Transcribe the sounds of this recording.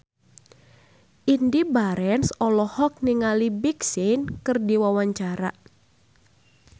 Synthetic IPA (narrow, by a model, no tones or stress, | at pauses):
ʔindibaɾɛnsɔlɔhɔk̚niŋalibiksinkɨrdiwawaɲt͡ʃaɾa̰